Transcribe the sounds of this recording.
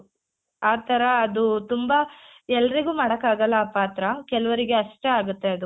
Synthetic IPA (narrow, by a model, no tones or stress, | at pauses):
aːt̪ʰɐɾɐːd̪ut̪umbɐɛlːɐɾiɡuːmaːɽɐkːaːɡɐlːaːpaːt̪ɾɐkɛlɐʋɐɾiɡe̞ɐʂʈeaːɡut̪ːe̞ɐd̪u